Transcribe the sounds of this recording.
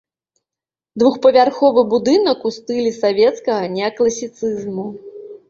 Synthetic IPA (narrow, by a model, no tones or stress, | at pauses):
d̪vuxpɐvʲarxɔvɨbud̪ɨnɐkust̪ɨlʲisavʲɛt̪skɐɣɐnʲɛklˠɐsʲit̪sɨzmu